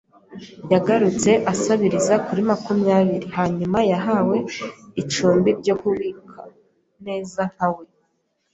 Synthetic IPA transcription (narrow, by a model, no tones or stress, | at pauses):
jaɡaɾut͡se̞ʔasaβiɾizakuɾimakumjaːβiɾihaɲumajaɦawe̞it͡ʃuːmbiɾɟo̞kuβiːkʰa | ne̞ːzan̥awe̞